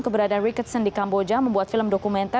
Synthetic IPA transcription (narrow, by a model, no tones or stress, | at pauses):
kəbəɾadarikətsəndikambod͡ʒaməmbuat̪̚filəmdɔkumɛ̃nt̪a